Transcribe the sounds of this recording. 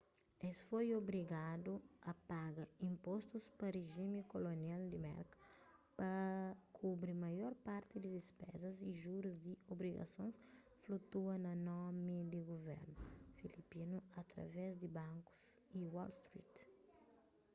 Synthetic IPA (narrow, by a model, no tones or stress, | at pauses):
esfojobɾiɡad̪uɐpaɡɐĩmpɔst̪uspɐreʒimikolonjald̪imɛ̰ɾkpɐkʰubɾimɐjɔɾpaɾt̪id̪id̪ispɛ̰zɐziʒuɾuzd̪iobɾiɡɐ̰sõns | flut̪uɐnɐnɔmid̪iɡuvɛ̰ɾnufilipinuɐt̪ɾɐ̰vɛzd̪ibãŋku̥z | iwɔlst̪ɾḭt̪